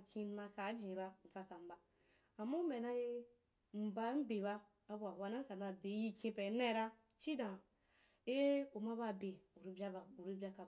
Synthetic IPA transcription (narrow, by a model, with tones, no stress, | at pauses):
kʲĩ˧˦na˧ka˨˦d͡ʒĩ˨ba˧n̩˨t͡sa˧ka˨m̩˨˦ba˨ | a˨mːa˦u˦me˨na˧je˧ | m̩˨ba˧˦m̩˦be˨baː˧ | bu˧a˨wa˧˦na˦ka˨na˧be˨˦ji˧kʲĩ˧pe˨˦na˦˨ɾa˦t͡ʃi˦dã˨ | e˦u˨ma˦ba˦˧˨be˨u˨ɾi˧bʲa˧ba˨u˨ɾi˧˦bʲa˧ka˧